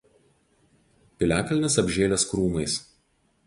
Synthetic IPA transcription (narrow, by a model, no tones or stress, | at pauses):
pʲɪlʲæːkɐlʲnʲɪsɐbʲʒʲeːlʲɛskɾuːmɐɪs